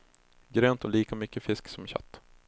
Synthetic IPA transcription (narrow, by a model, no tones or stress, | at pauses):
ɡɾøːnt̪ʰɔliːkamʏkːəfɪsksɔmɕa̰t̪ː